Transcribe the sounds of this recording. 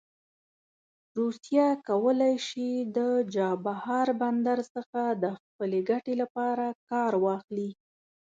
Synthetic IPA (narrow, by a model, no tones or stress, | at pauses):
ɾusjakawəlajʃid̪əd͡ʒɑbahɑɾband̪aɾsəxad̪əxpəleɡaʈelapɑɾakɑɾwɑxli